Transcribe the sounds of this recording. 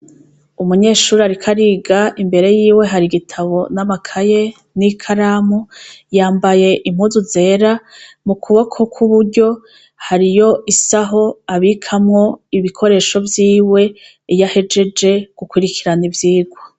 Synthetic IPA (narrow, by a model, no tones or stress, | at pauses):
umuɲe̞ːʃuːɾiaɾikʰaɾiɡaʔimbe̞ɾe̞jiːwe̞ɦaɾiɡitʰaβo̞namakʰaje̞ | nikʰaɾaːmujaːmbaje̞ʔim̥huːzuze̞ːɾa | mukʰuβokʰo̞kʰuβuɾɟo̞ | haɾijo̞ʔisaɦo̞aβikʰamŋo̞iβikʰo̞ɾe̞ːʃo̞vjiːwe̞ | jahe̞d͡ʒe̞d͡ʒe̞ɡ̥ukwiɾikʰiɾanivjiːɡwo